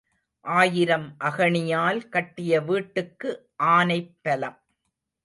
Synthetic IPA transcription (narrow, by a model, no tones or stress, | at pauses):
ʔaːjɪɾɐmʔɐɣɐɳɪjaːlkɐʈːɪjɐʋiːʈːɯkːɯ | ʔaːnɐɪpːɐlɐm